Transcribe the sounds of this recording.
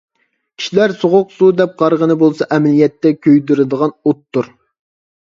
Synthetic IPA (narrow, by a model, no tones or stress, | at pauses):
kʲʰi̥ʃilæɾsoʁʊqsud̪ɛp̚qɑɾʁənɨbolˠsɑʔɛmɛlijɛt̪ːɛkʲʰøjd̪yɾɪd̪əʁɑnot̪ːʊɾ